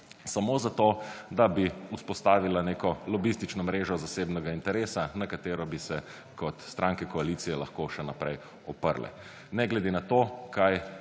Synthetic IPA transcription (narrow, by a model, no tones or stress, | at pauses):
samoːzat̪oːd̪abiuspɔst̪aːʋilaneːkɔlɔbist̪it͡ʃnɔmɾeːʒɔzaseːbnɛɡaint̪ɛɾeːsanakat̪eːɾɔbisɛ | kɔt̪st̪ɾʔãŋkɛkɔaliːt̪sijɛlaxkoʃɛnapɾɛj | ɔpə̰ɾlɛ̰ | nɛɡlɛd̪enat̪okaj